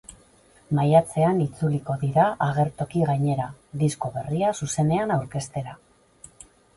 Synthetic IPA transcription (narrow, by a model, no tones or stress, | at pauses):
majat͡se̞anit͡suliko̞ðiɾaʔaɣ̞e̞ɾt̪o̞kiɣajɲe̞ɾaðisko̞βe̞riasuse̞ne̞anawɾke̞st̪e̞ɾa